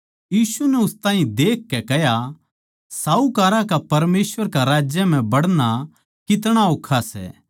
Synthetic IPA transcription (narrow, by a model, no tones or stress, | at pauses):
jiːsunɛʊst̪aːɦĩd̪eːkːɛkɛɦja | saːukaːɾakapɐɾmeːsʋəɾkaɾaːd͡ʒjəm̤ɛ̃bɐɽna | kɪt̪̬ɽ̃aoːkʰːasɛ̰